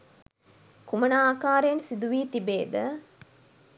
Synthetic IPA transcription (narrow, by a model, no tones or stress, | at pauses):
kumɐnaːkaːɾejɐnsid̪uʋiːt̪ibeːd̪ə